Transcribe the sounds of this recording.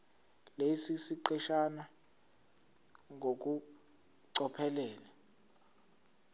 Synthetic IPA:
lesisiǃɛʃana | ŋok̬u | ǀɔpʰɛlɛːla

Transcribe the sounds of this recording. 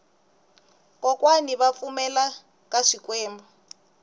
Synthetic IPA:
kʼɔkwaniβap̪fumɛla | kaʂikwɛːmbɔ

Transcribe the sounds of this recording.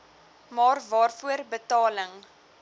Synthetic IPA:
mɑːrvɑːrfuərbətɑːləŋ

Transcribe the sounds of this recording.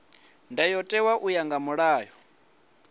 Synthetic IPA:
ndajɔtʼɛwaʔujaŋɡamuɺaːjɔ

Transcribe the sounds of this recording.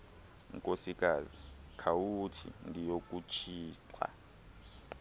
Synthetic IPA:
ŋkʼosikʼaːzikʰawutʰḭndʱijokʼut͡ʃʰiːǀa̰

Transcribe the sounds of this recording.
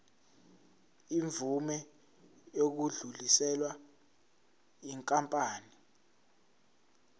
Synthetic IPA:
iɱb̪vumɛ | jok̬uɮulisɛlwa | iŋkʼampʼaːni

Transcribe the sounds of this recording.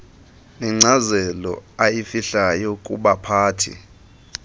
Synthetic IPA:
nɛŋ͡ǀazɛlɔ̰ajifiɬajɔkʼṵɓapʰaːtʰḭ

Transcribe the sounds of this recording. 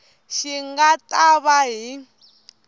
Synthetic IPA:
ʃiŋɡatʼaβaɦi

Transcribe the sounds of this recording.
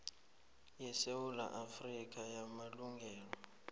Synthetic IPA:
jɛsewula̰ʔafrikʼajamaluŋɡʱɛːlɔ

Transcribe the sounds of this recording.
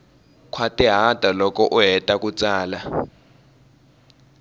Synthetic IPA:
kʰwatʼiɦatʼalɔk̬ʰʼɔʔuɦɛtʼak̬ʼut͡sʼaːla

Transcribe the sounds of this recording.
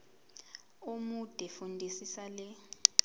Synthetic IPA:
umud̥ʱɛfundʱisisalɛ

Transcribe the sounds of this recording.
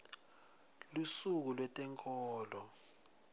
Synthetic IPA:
lusuk̬ulwɛtʼɛŋkʼɔːlɔ

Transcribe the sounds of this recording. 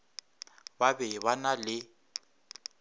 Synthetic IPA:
babɛβanalɪ

